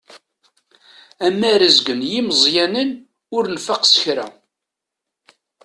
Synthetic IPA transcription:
æmːæɾəzɡənjiməzˤjænən | ʊɾnfaqsə̥çɾæ̰

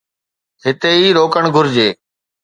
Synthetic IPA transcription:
ɦɪt̪eːiːɾoːkəɳɡʱʊɾd͡ʑeː

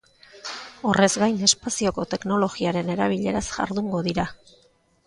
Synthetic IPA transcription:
o̞re̞zɡajne̞spasio̞ko̞t̪e̞kno̞lo̞ɣiaɾe̞ne̞ɾaβ̞iʎe̞ɾasʝa̰ɾðuŋɡo̞ðiɾa

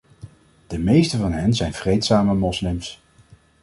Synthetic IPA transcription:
d̥əmejstəvɑnɦɛnzɛjnv̥rejtsaːməmɔslɪms

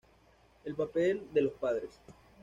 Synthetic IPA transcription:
e̞lpapeld̪e̞lospaðɾes

